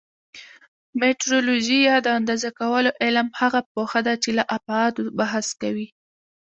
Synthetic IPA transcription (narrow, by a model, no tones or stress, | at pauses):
meʈɾoloʒijɑd̪əand̪ɑzakawəloʔɪlmhaɣapoxad̪at͡ʃelaʔapaɑt̪obaɦaskawi